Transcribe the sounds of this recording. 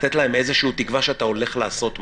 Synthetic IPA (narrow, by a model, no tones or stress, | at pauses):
t̪et̪lae̞me̞zeʃuːt̪ikvaʃeat̪ao̞le̞χlaːso̞t̪m